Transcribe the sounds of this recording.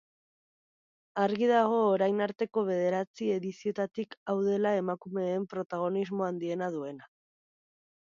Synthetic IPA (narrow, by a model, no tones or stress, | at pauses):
aɾɣiðaɣ̞o̞ːɾajnaɾt̪e̞ko̞βe̞ð̞e̞ɾat͡sie̞ðisio̞t̪at̪ikawðe̞lae̞makume̞ːmpɾo̞t̪aɣ̞o̞nizmo̞and̪ie̞naðue̞na